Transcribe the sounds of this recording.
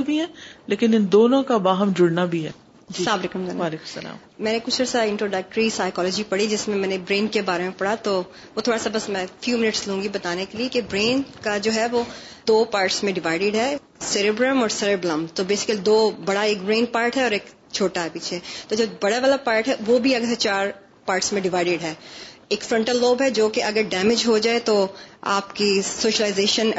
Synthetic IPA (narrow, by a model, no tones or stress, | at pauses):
bʱiɦɛ̃ːleːkɪnɪnd̪oːnõkabaːɦəmd͡ʒʊɽnabʱiɦɛ̰ː | d͡ʒd͡ʒisaːbɾeːkəmanaːleːkʊmsɐla̰ːm | mɛ̃ːnekʊt͡ʃʰɔːɾsaɪ̃ɳʈɾoːɖək̚ʈɾisaːɪkɔːlɔːd͡ʒipɐɽid͡ʒɪsmẽmɛ̃ːnebɾẽːnkebaːɾemẽpɐɽ̤at̪oː | ʋoːt̪ʰoːɽasabɐsmɛ̃fjuːmɪnəʈslɦũːɡibɐt̪aːnekeliekebɾeːnkad͡ʒoːɦɛʋoː | d̪̥oːpaːɾʈsmẽɖɪʋaːɪɖɪɖɦɛ | sɪɾebɾəmɔːɾsɪɾebləmt̪obeːsɪ̥kəlid̪oːbɐɽaeːkbɾẽːnpaːɾʈɦɛɔːɾeːk | t͡ʃʰoːʈaɦɛpiːt͡ʃʰet̪od͡ʒoːbɐɽaʋaːlapaːɾʈɦɛʋobʱiɐɡəɾset͡ʃaːɾ | paːɾʈsmẽɖɪʋaːɪɖɪɖɦɛːeːkfɾɐ̃ɳʈəlːoːbɦɛd͡ʒoːkeʔɐɡəɾɖɛːmɪd͡ʒɦod͡ʒaːet̪oa̰ːpkisoːʃəlaɪzeːʃən